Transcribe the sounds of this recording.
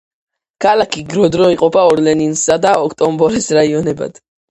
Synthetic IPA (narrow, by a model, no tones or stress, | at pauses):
kʰalakʰiɡɾɔd̪ɾɔiqʼɔpʰaɔɾlɛninsad̪aɔkʰt̪ʼɔmbɔɾɛsɾaiɔnɛba̰d̪̥